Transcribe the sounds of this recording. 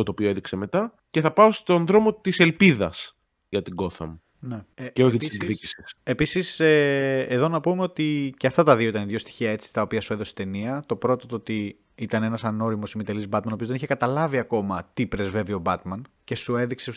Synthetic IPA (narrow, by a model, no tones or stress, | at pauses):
ot̪opioe̞ðikseme̞t̪ɐ | ce̞θɐpɐost̪o̞nðɾo̞mot̪ise̞lpiðɐs | ʝɐt̪iɡo̞θɐ̰mu | neceoçit̪iseŋɡðicisisepisiseːðo̞nɐpume̞o̞t̪iceɐft̪ɐt̪ɐðioit̪ɐniðʝo̞st̪i̥çiɐe̞t͡si̥t̪ɐopiɐsue̞ðo̞se̥t̪e̞niɐt̪o̞pɾo̞t̪ot̪oot̪i | it̪ɐnenɐsɐno̞ɾimosimit̪elizbɐt̪mɐnoiozðeiçekɐt̪ɐlɐviɐko̞mɐt̪ipɾe̞zve̞ðio̞bɐt̪mɐn | ce̞sue̞ðikse